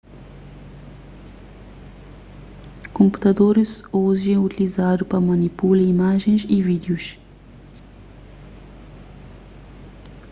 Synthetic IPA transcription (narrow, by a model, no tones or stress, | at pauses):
kompu̥t̪ad̪oɾisoziɛ̃ut̪ilizaːd̪upamanipulɛimaːʒinʃivid̪euʃ